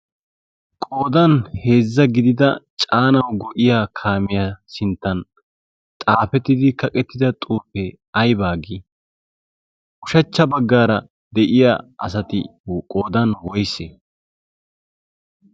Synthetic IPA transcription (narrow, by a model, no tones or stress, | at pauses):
kʼo̞ːd̪ɐnhe̞ːzːɐɡɪd̪ɪd̪ɐt͡ʃʼaːnɐwɡɔʔɪjaːkʰaːmɪjasɪnt̪ːɐn | t̪ʼaːfɛt̪ːɪd̪ɪkɐkʼɛt̪ːɪd̪ɐt̪ʼuːpːɛ | ɐjbaːɡɪ | kʊ̥ʃɐt͡ʃːɐbɐɡːaːɾɐ | d̪ɛʔɪja̰ːʔɐ̰sɐt̪ɪ̰kʼo̞ːd̪ɐnwɔjsḛ